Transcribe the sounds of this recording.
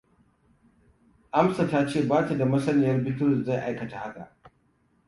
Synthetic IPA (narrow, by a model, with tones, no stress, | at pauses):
ʔa˦msa˨taː˦t͡ʃeː˦˨baː˦ta˨da˨mɐ˦sɐ˦nɪː˨jɐ˦rbɪ˦tʊ˦˨za˦˨jʔa˦jkɐ˨ta˨ha˦ka̰˨ʔ